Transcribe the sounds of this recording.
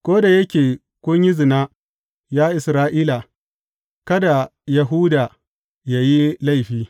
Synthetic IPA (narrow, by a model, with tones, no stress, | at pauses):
kʷoː˦da˨jɐ˦kʲeː˨ | kʷʊ˦ɲji˦zɪ˨naː˦ | jaː˦ʔɪ˨sɾaː˦ʔiː˦la˨ | kɐ˦da˨jɐ˨ɦu˦da˨ | ja˦ji˦la˦˨jɸiː˦